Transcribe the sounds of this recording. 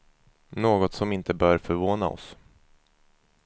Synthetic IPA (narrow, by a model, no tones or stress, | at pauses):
noːɡɔt̪sɔmɪnt̪ʰəbœːɾfœɾvoːna̰ɔ̰s